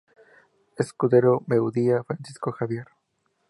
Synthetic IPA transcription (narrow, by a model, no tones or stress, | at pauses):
eskuðe̞ɾome̞wðiafɾansiskoxaβje̞ɾ